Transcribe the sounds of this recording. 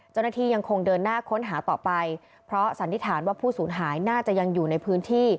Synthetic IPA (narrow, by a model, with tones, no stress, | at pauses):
t͡ɕa˥˩wnaː˥˩t̪ʰiː˥˩ja˧ŋkʰo˧ŋdɤː˧nːaː˥˩kʰo˦˥nɦaː˩˦t̪ɔː˨˩pa˧j | pʰɾɔ˦˥sa˩˦nt̪ʰi˦˥˩t̪ʰaː˩˦nwaː˥˩pʰuː˥˩suː˩˦nɦaː˩˦jnaː˥˩t͡ɕa˨˩ja˧ŋjuː˨˩na˧jpʰɯː˦˥nt̪ʰiː˥˩